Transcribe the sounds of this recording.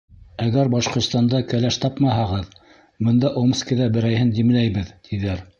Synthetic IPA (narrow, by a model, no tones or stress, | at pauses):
æɣæɾbɑʃqŏɾt̪st̪ɑnd̪ɑkælæʃt̪ɑpmɑɦɑʁɤð | mɤ̆nd̪ɑʔomskiðæbɘ̆ɾæjhɘnd̪im̆læjβɘðt̪ʰiðæɾ